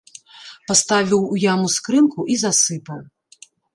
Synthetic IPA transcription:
past̪avʲiwujamuskɾɨnkuʔizasɨpɐw

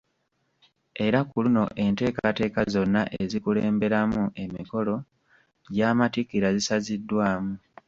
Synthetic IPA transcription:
e̞ɾakuluno̞ʔe̞nte̞ːkate̞ːkazo̞nːaʔezikuleːmbe̞ɾamuʔe̞miko̞lo̞ | ɟaːmatikiɾazisazidːwaːmu

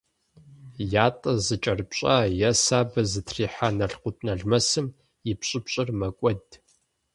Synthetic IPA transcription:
jaːtʼɐzɨt͡ʃʼɐrpɕʼajɐsaːbɐzɨtʰriːħanɐɬqʷʊtʼnɐɮmɐsɨm | ɪpɕʼɪpɕʼɪrmɐkʷʼɔd

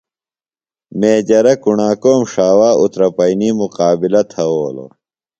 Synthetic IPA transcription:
meːd͡ʑɐɾɐkuɳaːkoːmʂaːwaːut̪ɾɐpɐiniːmuqaːbilɐt̪ʰɐoːlo̰

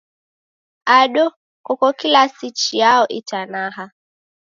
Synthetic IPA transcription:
aɗɔ | kɔkɔkilasit͡ʃijaɔʔitanaɦa

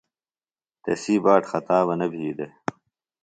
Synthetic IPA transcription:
t̪ḛsiːbaːʈxɐt̪aːβɐnɐbʱiːd̪e

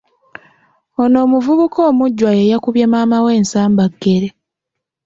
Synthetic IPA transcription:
ono̞ːmuvuβukʰoːmuɟːwajejakuβjemaːmawe̞ːnsaːmbaɡːe̞ɾe

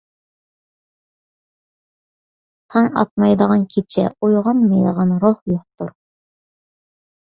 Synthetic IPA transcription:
t̪ʰɑŋɑ̰t̪̚mɑjd̪əʁɑnkʲʰet͡ʃʰɛ̰ojʁɑnmɑjd̪əʁɑnɾohjoq̚t̪uɾ

